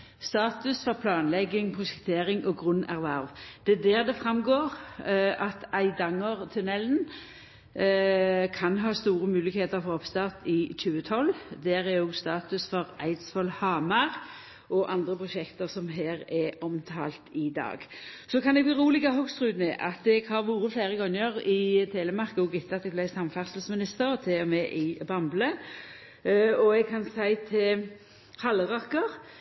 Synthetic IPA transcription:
st̪ɑːt̪ʉsfɔʁpʰlɑːnlɛɡːɪŋpʰʁʊʃɛk̚t̪ʰeːʁɪŋʔɔɡʁʉnːæʁʋæʁʋd̪̥ɛd̪ɛːʁd̪ɛfʁɑmɡoːʁɑt̪æɪd̪ɑŋːəʁt̪ʰʉnɛln | kʰɑnɦɑːst̪uːʁəmʉːlɪɡheːt̪əʁfɔʁɔpst̪ɑʁt̪ɪçʉːət̪ʰɔld̪æːʁæʁjoɡst̪ɑːt̪ʉsfɔʁæɪd̪sfɔlhɑːmɑʁ | ɔʔɑnd̪ʁəpʰʁʊʃɛkt̪əʁsɔmɦeːʁɛɔmt̪ʰɑ̰ːlt̪ɪd̪ɑ̰ːɡsɔkʰɑnɛɡ̚b̪ɪʁuːlɪɡɑɦɔɡst̪ʁʉːd̪nɛʔɑt̪ɛɡhɑʁʋuːɾəflæɪʁəɡɔŋːəʁɪt̪ʰeːləmɑʁkɔɡɪt̪ːəɑt̪ɛɡblæɪsɑmfæʁsəlsmɪnɪst̪əɾɔt̪ʰɛmɛʔɪbɑmblə | ɔɛɡ̚kʰɑnsæɪt̪ʰɪl | hɑlːəʁɑkəʁ

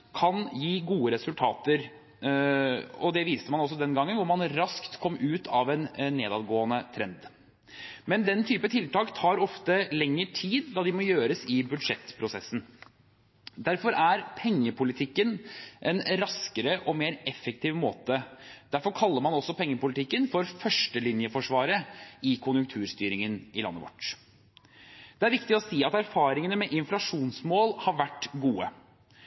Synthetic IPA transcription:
kʰɑnjiːɡuːəɾɛsʉlt̪ʰɑːt̪əɾ | ɔd̪ɛʋiːst̪əmɑnɔsːɔd̪ɛnɡɑŋːənʋʊɾmɑnɾɑskt̪kʰɔmːʉːt̪ʰɑʋɛnnːeːd̪ɑd̪ɡoːənət̪ʰɾɛnd̪ | mɛnd̪ɛnt̪ʰyːpət̪ʰɪlt̪ɑːkt̪ʰɑːɾɔft̪əlɛŋːəʈʰiːd̪d̪ɑd̪ɪmɔjøːɾəsɪbʉd̪ʂɛt̪ːpʰɾʊsɛsːn̩ | d̪æɾfɔɾæɾpʰɛŋːəpʰʊlɪt̪ʰɪkːənʔɛnɾɑskəɾəʔɔmeːɾɛfːək̚t̪ʰiːʋmoːt̪əd̪æɾfɔɾkʰɑlːəɾmɑnɔsːɔpʰɛŋːəpʊlɪt̪ʰɪkːənfɔɾfœʂʈəlɪnjəfɔʂʋɑːɾəɪkʰʊnjʉŋk̚t̪ʰʉːɾst̪yːɾɪŋənɪlɑ̰nːə̰ʋɔ̰ʈː | d̪̥ɛæɾʋɪkt̪ɪɔsiːɑt̪æɾfɑːɾɪŋənəmɛʔɪnflɑʂuːnsmoːlhɑɾʋæʈːɡuːə

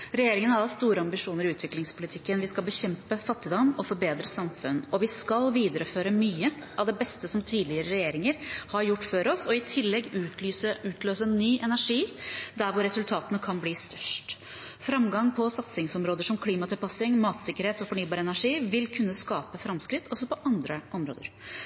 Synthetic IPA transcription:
ɾɛjeːɾɪŋənəɑst̪uːɾəɑmbɪʂuːnəɾɪʉːt̪ʰʋɪklɪŋspʰʊlɪt̪ʰɪkːənʋɪskɑlbəçɛmpəfɑt̪ːɪd̪ɔmɔfɔɾbeːd̪ɾəsɑmfʉnːɔʋɪskɑlʋiːd̪əɾəføːɾəmyːə | ʔɑʋd̪ɛbɛst̪əsɔmt̪ʰiːd̪lɪəɾəɾɛjeːɾɪŋəɾhɑɾjʊʈːføɾɔsɔɪt̪ʰɪlːɛɡːʉysəʉːt̪løːsənːyːʔɛnæʂiːd̪æɾʋʊɾːɛsʉlt̪ʰɑːt̪ənəkʰɑnbliːst̪œ̥ʂʈ | fɾɑmɡɑŋpʰɔsɑt̪sɪŋsɔmɾoːd̪əʂɔmkʰliːmɑt̪ʰɪlpɑsɪŋmɑːt̪sɪkːəɾheːt̪ɔfɔɳyːbɑːɾəɛnæʂiːʋɪlkʰʉnːəskɑːpəfɾɑmskɾɪt̪ʰːɔsːɔpɔʔɑnd̪ɾəʔɔmɾo̰ːd̪əɾ

